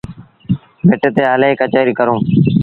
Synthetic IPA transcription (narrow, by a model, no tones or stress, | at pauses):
beːʈeːt̪eːɦəleːeːkət͡ʃaːɾiːkəɾõː